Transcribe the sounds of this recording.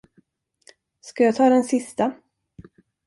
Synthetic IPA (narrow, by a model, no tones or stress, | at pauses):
skajaːt̪ʰɑːd̪ɛnsɪst̪a